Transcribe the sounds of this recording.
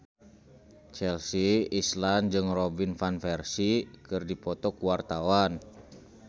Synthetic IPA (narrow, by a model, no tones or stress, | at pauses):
t͡ʃɛlsiisland͡ʒɨŋrɔbinfanfɛrsikɨrdipɔt̪ɔkuwart̪awan